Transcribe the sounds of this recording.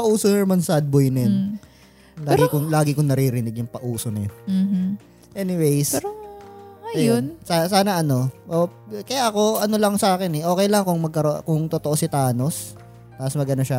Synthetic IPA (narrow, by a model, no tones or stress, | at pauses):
pɐʔuːsonɛmɐnsad̪̚bojnɛn | laːɡɪkʊŋlaːɡɪkʊŋnɐɾiɾɪnɪɡjʊŋpɐʔuːsonɐj̩ | ʔɛnɪwejs | ɐjʊnsasaːnɐʔɐno̞ʔokɐjaʔɐko̞ʔɐno̞lɐŋsɐʔaːkɪnɛʔo̞ːkɛjlɐŋkʊŋmɐɡ̚kɐɾokʊŋt̪ot̪oʔo̞sɪt̪aːno̞s | t̪aːɐsmɐɡʔɐnoʃa